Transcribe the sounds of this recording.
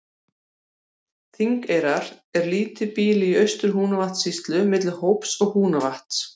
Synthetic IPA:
θiŋkejɾaɾ̥ɛɾliːt̪ɪpiːlɪiœɥst̪ʏɾ̥ɦuːnavaht̪sist̪lʏmɪt̪lɪhowpsɔɣhuːnavaht̪

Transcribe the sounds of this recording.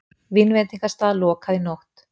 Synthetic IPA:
vɪnvɛnt̪iŋkast̪aːðalɔːkʰaðɪnoht̪

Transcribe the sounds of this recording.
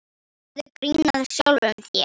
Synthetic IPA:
ðɪkɾinːaðsjowlvʏmθjɛ̰

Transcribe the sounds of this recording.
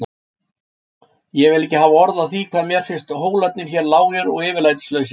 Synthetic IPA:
jɛvɪlɪhcːɪɦaːvaɔɾðaðθikʰvaːðmjɛɾ̥fɪn̥st̪ɦoːwlat̪nɪn̥çɛɾlaːwɣɛɾɔɣɪːvɪɾlaːjt̪ɪ̥slœːɥs̬ɪ

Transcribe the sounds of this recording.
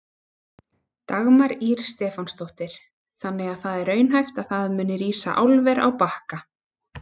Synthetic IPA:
t̪aɣmaɾiɾ̥st̪ɛːfanst̪owht̪ɪɾ̥ | θanːɛɣaðθaðɛɾœːɥnɦajft̪aðθaðmʏːnɪɾiːsa̰ʔawlvɛɾa̰wpahka

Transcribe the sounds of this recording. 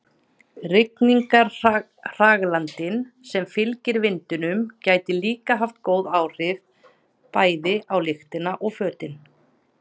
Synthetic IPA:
rɪkniŋkaɾ | r̥aɣlant̪ɪnsɛmfɪlcɪɾvɪnt̪ʏnʏmcaːjt̪ɪliːkaɦaft̪koːwðaːwr̥ɪv | paːjðɪʔawlɪxt̪ɪnaʔɔɣfœːt̪ɪn

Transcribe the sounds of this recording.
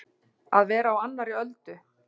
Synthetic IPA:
aðvɛːɾaːwanːaɾiœlt̪ʏ

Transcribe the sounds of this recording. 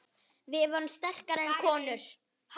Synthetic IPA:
vɪðvɔːɾʏmst̪ɛr̥kaɾɛnkʰɔːnʏɾ̥ | h

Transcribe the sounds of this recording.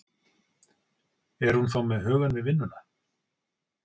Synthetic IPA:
ɛɾ̥hunθawmɛðɦœːɣanvɪvɪnːʏna

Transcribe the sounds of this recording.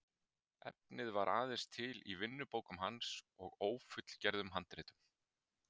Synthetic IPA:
ɛ̰p̚nɪðvaɾʔa̰ːðɛ̥st̪ʰɪlivɪnːʏpoːwkʏmɦansɔɣoːwfʏt̪l̥cɛɾðʏmɦant̪ɾɪːt̪ʏm

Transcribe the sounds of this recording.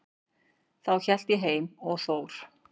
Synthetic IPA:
θawçɛl̥t̪ɪɦeːjmɔɣθoːwɾ̥

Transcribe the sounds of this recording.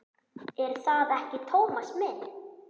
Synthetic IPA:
ɛɾ̥θaðɛhcɪt̪ʰoːwmasmɪn

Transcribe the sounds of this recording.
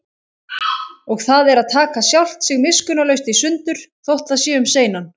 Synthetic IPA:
ɔɣθaðɛɾaðt̪ʰaːkasjawl̥t̪sɪɣmɪskʏnalœɥst̪isʏnt̪ʏɾ̥θowht̪θasɛːʏmseːjnan

